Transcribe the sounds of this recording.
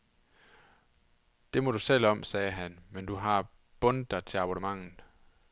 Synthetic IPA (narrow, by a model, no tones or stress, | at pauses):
d̥e̝mɒ̽d̥usel̰ɒ̽msɛːɦænmend̥uɦɑ̈ | b̥ɔ̽nd̥ɑ̈t͡sʰe̝lɑ̈b̥onəmɑ̈ŋ̰n̩ˠ